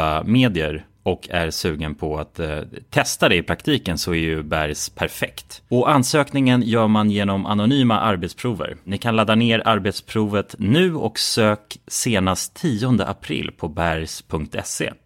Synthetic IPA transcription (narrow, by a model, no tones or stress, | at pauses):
ameːd̪ɪəɾ | ɔkʰːæ̰ɾsʉ̟ːɡənpʰɔat̪ʰːɛst̪ad̪ɛɪpʰɾakt̪ʰiːkənsɔæɾjɵbæɾjspʰæɾfɛkt̪ɔʔansøːknɪŋənjœːɾmanjeːnɔma̰nʊnyːma̰ʔaɾbɛt̪spʰɾuːvə̰ɾnɪkʰanlaːd̪aneːɾaɾbɛt̪spʰɾuːvət̪nʉ̟ːɔ̰ksøːkseːnast̪ʰːiːɔnd̪ə̰ʔapʰɾɪ̰lːpʰɔbæɾjspʰɵŋk̚t̪ʰɛ̰sḛː